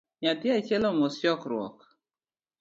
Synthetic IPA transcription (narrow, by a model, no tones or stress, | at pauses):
ɲatjait͡ʃelɔmosjɔkɾwɔ̰k